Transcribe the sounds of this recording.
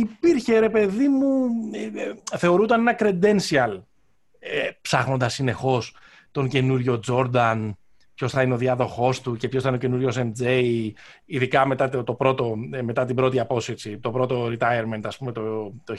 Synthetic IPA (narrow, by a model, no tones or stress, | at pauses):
ipiɾçe̞ɾe̞pe̞ðimu | θe̞o̞ɾut̪ɐne̞nɐkɾe̞d̪e̞nsiɐl | epsɐɣno̞nd̪ɐsːine̞xo̞s | t̪o̞ŋce̞nuɾʝo̞d͡zo̞ɾd̪ɐn | pço̞sθɐineo̞ðiɐðo̞xo̞st̪ucepçosθɐinoce̞nuɾʝo̞s̬emd͡zeiiðikɐme̞t̪ɐt̪o̞pɾo̞t̪o̞me̞t̪ɐt̪ibɾo̞t̪iɐpo̞set͡sit̪o̞pɾo̞t̪o̞ɾit̪ɐjeɾment̪ɐspumet̪ot̪o